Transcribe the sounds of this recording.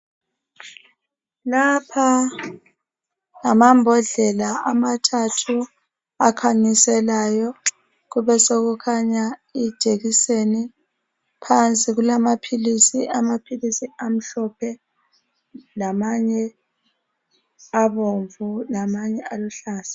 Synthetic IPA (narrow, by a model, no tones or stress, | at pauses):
lapʰa | ŋamambʱɔɮɛlaʔamatʰatʰu | akʰaɲisɛlajɔ | ɣuβɛsoɣukʰaɲaid̥ʒ̥ʱeɣiseni | pʰant͡sʼiɣulamapʰilisiʔamapʰilisiam̩ɬɔpʰɛ | lamaɲɛ | aβoɱvulamaɲɛʔaluɬaːsḁ